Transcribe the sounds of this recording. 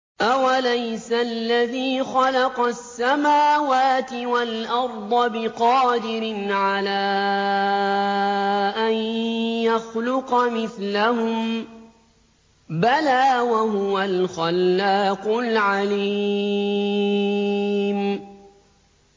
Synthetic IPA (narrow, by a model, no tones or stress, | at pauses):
ʔawalajsalːaðiːxɑlɑqɑsːamaːwaːt̪ɪwalʔɑɾˤd̪ˤɑbɪqɑːd̪ɪɾɪnʕalaː | ʔanjaxlʊqɑmɪθlahʊm | balaːwaɦʊwalxalːaːqʊlʕali | m